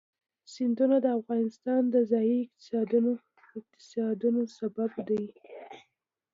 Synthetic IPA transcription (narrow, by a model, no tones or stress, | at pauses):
sɪnd̪unad̪əafɣɑnɪst̪ɑnd̪əzɑjiɪq̚t̪ɪ̥sɑd̪uno | ɪq̚t̪ɪ̥sɑd̪unosababd̪awi